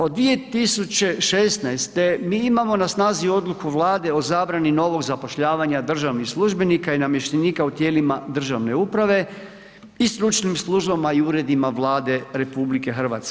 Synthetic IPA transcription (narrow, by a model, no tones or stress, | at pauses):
od̪ʋie̞t̪isut͡ɕe̞ʃest̪najst̪e̞miːimamo̞nasnaːzio̞d̪lˠukuʋlˠaːd̪e̞o̞zaːbɾanino̞ʋo̞ɡzapo̞ʃʎaːʋaɲad̪r̩ʒaʋnixslˠuʒbe̞nikainamjeʃt̪eniːkaut̪jeːlimad̪r̩ʒaʋne̞upɾaʋe̞ | ist̪ɾut͡ʃnimslˠuʒbamaiuːɾe̞d̪imaʋlaːd̪e̞ɾe̞publike̞xr̩ʋa̰t̪ske